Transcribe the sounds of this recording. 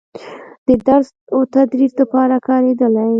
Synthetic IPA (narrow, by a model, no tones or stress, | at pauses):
d̪̥əd̪aɾz | ot̪ad̪ɾiɾd̪əpɑɾakɑɾed̪əlaj